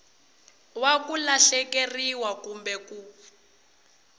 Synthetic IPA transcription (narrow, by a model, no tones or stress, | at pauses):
wakulaɬɛkeriwakumbɛku